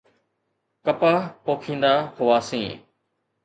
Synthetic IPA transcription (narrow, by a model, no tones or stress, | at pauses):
kəpaːpoːkʰĩːnd̪aːhʊʋaːsĩː